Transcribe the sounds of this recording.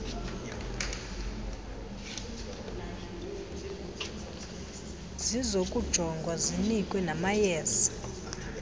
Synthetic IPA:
zizokʼud̥ʒ̥ʱɔŋɡʱwazinikʼwɛnamajɛːsḁ

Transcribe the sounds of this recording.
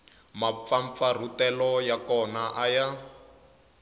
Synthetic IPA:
map̪faɱp̪far̤utɛlɔjakɔnaʔaja

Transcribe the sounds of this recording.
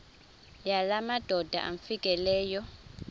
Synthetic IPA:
jalamad̥ʱɔd̥ʱa̰ʔa̰ɱfikʼɛlɛːjɔ

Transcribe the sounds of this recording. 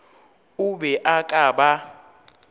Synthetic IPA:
uɓɛʔakʼaːɓa

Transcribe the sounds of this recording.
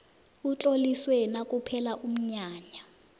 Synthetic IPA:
ut͡ɬʼoliswɛnakʼupʰɛlaʔum̩ɲaːɲa

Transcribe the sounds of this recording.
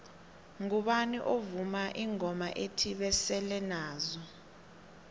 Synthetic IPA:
ŋuɓaniʔovumaʔiŋɔma̰ʔetʰiɓɛsɛlɛnaːzɔ

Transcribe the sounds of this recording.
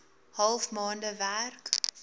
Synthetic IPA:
hɐlˠfmɑːndəværk

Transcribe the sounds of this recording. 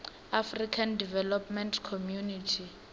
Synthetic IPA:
afrikʰandivɛlɔpmɛntkʰomjunitʰi

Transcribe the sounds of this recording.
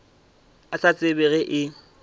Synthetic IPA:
asat͡sʼɪbɛɣɛʔɪ

